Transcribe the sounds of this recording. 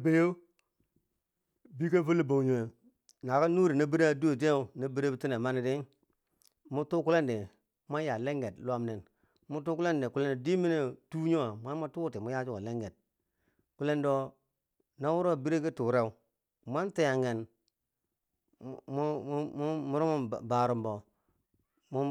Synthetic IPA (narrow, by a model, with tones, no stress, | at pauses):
be˦jo˦ | bi˦ke˦fu˦lːi˦bo˨wɲo˨ | na˨ka˦nu˦ɾi˨na˦bi˦ɾe˦a˦du˦o˨t̬e˦˨na˦bi˦ɾe˦bi˦ti˦ne˨ma˦ni˦di˦ | mu˦tu˦ku˦le˦ndi˨ | ma˦ja˨le˦ŋɡe˨tlwa˦mne˨n | mu˦tu˦ku˦le˦ndi˨ku˦le˦ndo˨di˦mi˦ne˦tu˦ɲo˦a˨ma˦n˦ma˦tu˦ti˨mu˦ja˦d͡ʒu˦ko˨le˦ŋɡe˨t̚ | ku˦le˦ndo˦ | na˦wu˦ɾo˦˨bi˦ɾe˦ki˦tu˨ɾe˦u˦ | mʷa˦nte˦ja˨ŋɡe˨n˦ | mu˦ɾo˦mṵ˦˨ba˨ɾu˨mbo˨ | mu˦